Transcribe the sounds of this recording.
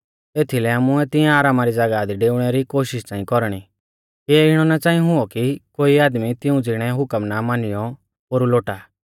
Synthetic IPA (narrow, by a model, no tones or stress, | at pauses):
eːt̪ʰilɛaːmʊɛt̪ɪ̃ãaːɾaːmaɾid͡zɐɡad̪iɖeːʊɽ̃ɛɾikoːʃɪʃt͡sãːĩkɔɾɽ̃i | kiɛɪɽ̃ɔnɛt͡sãːĩɦʊɔkikoːiaːd̪mit̪ɪũd͡zɪɽ̃ɛɦʊkəmnamanɪjɔ | oːɾuloːʈa